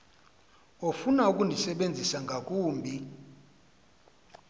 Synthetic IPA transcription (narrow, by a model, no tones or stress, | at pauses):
ofunauk̬ʼundʱisɛɓend͡zʱisaŋɡʱak̬ʼuːmbʱi